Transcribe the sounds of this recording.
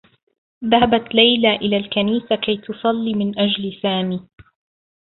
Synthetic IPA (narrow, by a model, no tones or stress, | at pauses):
ðahabat̪lajlaʔɪlaːlkaniːsakajt̪ʊsˤɑlːiːmɪnʔad͡ʒlsaːmiː